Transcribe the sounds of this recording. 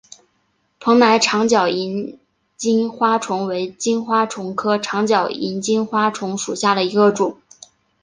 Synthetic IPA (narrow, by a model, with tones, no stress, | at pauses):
pʰɤ˧˥ŋna˧˥ɪʈ͡ʂʰɑ˧˥ŋt͡ɕjɑ˨˩ʊi˧˥n | t͡ɕi˥nxwa˥ʈ͡ʂʰʊ˧˥ŋwe˧˥ɪt͡ɕi˥nxwa˥ʈ͡ʂʰʊ˧˥ŋkʰɤ˥ʈ͡ʂʰɑ˧˥ŋt͡ɕjɑ˨˩ʊi˧˥nt͡ɕi˥nxwa˥ʈ͡ʂʰʊ˧˥ŋʂu˨˩ɕja˥˩d̪ə˩i˧˥ɡə˧ʈ͡ʂʊ˨˩˦ŋ